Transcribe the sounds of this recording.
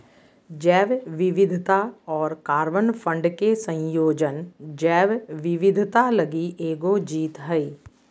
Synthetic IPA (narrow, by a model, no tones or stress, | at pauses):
d͡ʒɛːʋʋɪʋɪd̪ʱt̪aɔːɾkaːɾʋənfʰə̃ɳɖkesə̃j̃joːd͡ʒənd͡ʒɛːʋʋɪʋɪd̪ʱt̪aləɡiʔeːɡod͡ʒiːt̪ɦəiː